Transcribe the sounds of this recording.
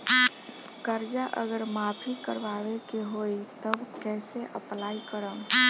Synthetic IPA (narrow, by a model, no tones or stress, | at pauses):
kəɾd͡ʒaʔə̰ɡəɾmaːpʰikəɾʋaːʋekeɦoit̪əbkɛːseʔə̰plaːikəɾə̃